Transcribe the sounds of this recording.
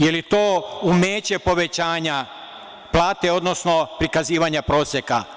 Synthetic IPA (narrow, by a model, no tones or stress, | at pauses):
jelit̪oːumeːt͡ɕe̞po̞ʋet͡ɕaːɲa | plˠaːt̪eo̞d̪nosno̞pɾikaziːʋaɲapɾo̞ːsʲjeka̰